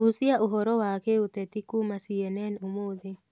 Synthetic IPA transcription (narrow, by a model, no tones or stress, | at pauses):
usjaʔoɦɔɾɔwakeut̪ɛt̪ikumasiɛnɛnomoðe